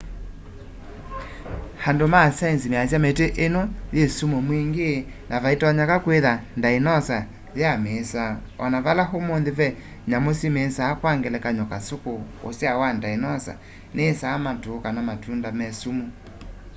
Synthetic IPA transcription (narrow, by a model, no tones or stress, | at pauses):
handomasansimeasjameteʔenoðesumomwiŋɡe | nʔavaitaɲakakweðandainɔsa | ðjamesaɔnaβalaɦomonðeβɛ | ɲamosimesaːkwaŋɡɛlɛkaɲɔkasokoo̰sjawandainɔsa̰ | nesaːmatokanamatundamɛsumo